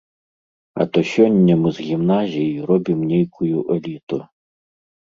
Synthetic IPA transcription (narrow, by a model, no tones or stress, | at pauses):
ɐ̰t̪ɔsʲɔnʲːɐmɨzɣʲimnazʲijijrɔbʲimnʲejkʰujuʔɛlʲit̪u